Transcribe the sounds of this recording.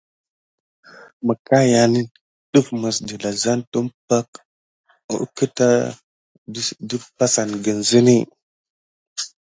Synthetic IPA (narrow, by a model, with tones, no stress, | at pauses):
mə˨ka˦ja˨ni˦ | ɗu˦fmə˨sdi˨la˨za˦ntu˦mpa˦k̚ | ṵ˨˦kə˦ta˦ | di˦fpa˦sa˨nɡə˨nzi˦ni˦